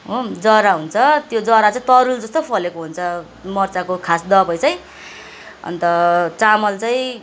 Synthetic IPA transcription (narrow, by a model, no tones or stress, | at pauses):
ɦod͡zʌɾaɦunt͡sʰʌt̪jod͡zʌɾat͡saĩt̪ʌɾuld͡zʌst̪opʰʌlekoɦunt͡sʰʌ | mʌrt͡sakokʰasd̪ʌpʌjt͡sʌj̃ | ʌ̰nt̪ʌt͡samʌlt͡saĩ